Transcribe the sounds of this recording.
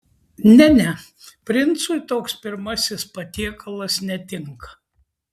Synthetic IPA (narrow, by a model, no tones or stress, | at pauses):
nʲɛnʲɛ | pʲɾʲɪnt̪sʊɪt̪oːkspʲɪɾmɐsʲɪspɐt̪ʲiɛkʰɐlˠɐsnʲɛt̪ʲɪŋkɐ̥